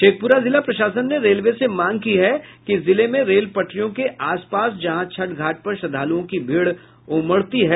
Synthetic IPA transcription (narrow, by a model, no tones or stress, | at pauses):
ʃeːk̚puɾazɪlapɾɐʃaːsənːeɾeːlʋesemaːŋkiɦɛkizɪlemẽɾeːlpɐʈʰɾijõkeʔaːspaːsd͡ʒɐɦãt͡ʃʰɐʈɡʱaːʈ̚pɐɾʃɐd̪ʱaːluõkibʱiːɽ | ʊməɽt̪iɦɛː